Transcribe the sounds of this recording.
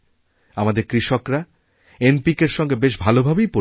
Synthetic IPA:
amad̪eɾkɾiʃokɾa | enpikeɾʃɔŋɡebeʃbʱalobʱabejpo

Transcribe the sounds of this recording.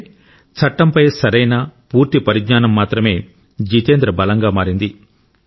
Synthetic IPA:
t͡ʃʰɐʈːɐmpɐjsɐɾɐjnɐpuːɾt̪ipɐɾiɡɲaːnɐmːaːt̪ɾɐme̞ː | d͡ʒiːt̪eːnd̪ɾɐbɐlɐŋɡaːmaːɾind̪i

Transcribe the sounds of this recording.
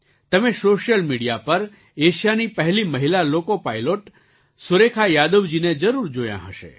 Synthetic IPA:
t̪əmesoʃjəlmiɽijapəɾ | eʃjanipəɦɛliməɦilalokopajloʈ | sʊɾekʰajad̪əʋd͡ʒined͡ʒəɾuɾd͡ʒojã̰ɦəʃḛ

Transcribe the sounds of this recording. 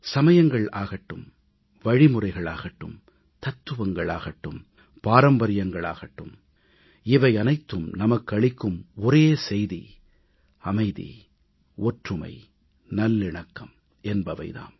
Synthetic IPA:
sɐmɐjɐŋɡɐɭaːɣɐʈːɯm | ʋɐɻɪmɯrɐɪɣɐɭaːɣɐʈːɯ̰m | t̪ɐt̪ːɯʋɐŋɡɐɭaːɣɐʈːɯm | paːɾɐmbɐɾɪjɐŋɡɐɭa̰ːɣɐʈːɯm | ɪʋɐɪɐnɐɪt̪ːɯmnɐmɐkːɯɐɭɪkːɯmɔɾeːsɛjðḭ | ɐmɐɪðḭ | oːʈrɯmɐ̰ɪ | nɐlːɪɳɐkːɐm | ɛnbɐʋɐɪða̰ːn

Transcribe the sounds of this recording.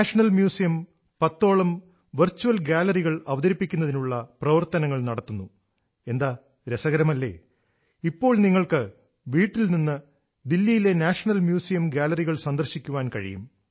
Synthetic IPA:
aːʂɐɳɐlmjuːsijɐm | pɐt̪ːo̞ːɭɐm | ʋɐrt͡ɕːuʋɐlɡaːlɐriɣɐɭɐʋɐðɐɾipːikʲːunːɐðinuɭːɐprɐʋɐrt̪ɐnɐŋːɐɭnɐɽɐt̪ːunːu | e̞nd̪aː | ɾesɐɣɐɾɐmɐlːe̞̰ː | ipːo̞ːɭniŋːɐɭkɨ | ʋiːʈːilninːɨ | d̪ilːijile̞naːʂɐɳɐlmjuːsijɐmɡaːlɐriɣɐɭsɐnd̪ɐrɕikʲːuʋaːnkɐɻḭjṵm

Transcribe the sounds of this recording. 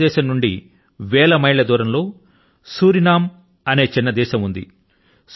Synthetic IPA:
ɛːʃɐmnuɳɖḭ | ʋɛːɭɐmɐjɭɐd̪uːɾɐmlo̞ː | suːɾinaːm | ɐne̞ːt͡ʃinːɐd̪ɛːʃɐmund̪ḭ | s

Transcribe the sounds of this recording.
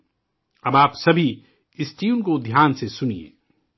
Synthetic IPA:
ɐbaːpsɐbʱi | ɪsʈiːunkod̪ʱjaːnsesʊnḭḛː

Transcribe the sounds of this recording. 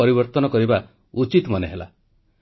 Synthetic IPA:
ɔɾibɔɾt̪ɔnɔkɔɾiba | ut͡ʃit̪mɔneɦela̰

